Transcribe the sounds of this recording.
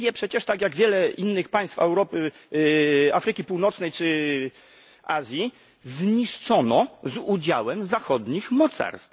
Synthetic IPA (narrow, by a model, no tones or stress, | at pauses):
jɛpʂɛt͡ɕɛʂt̪aɡjaɡvʲjɛlɛʔinːɘxpaj̃st̪fɛwɾɔpɘ | afɾɘkʲipuwnɔt̪snɛjt͡ʂɘ | azʲji | zɲiʂt͡ʂɔnɔzud͡ʑawɛmzaxɔd̪ɲixmɔt̪sa̰ɾst̪